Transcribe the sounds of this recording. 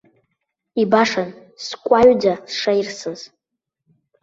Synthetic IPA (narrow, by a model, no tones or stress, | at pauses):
ibaʂanskʷʼaɥd͡zasʂairsɨz̥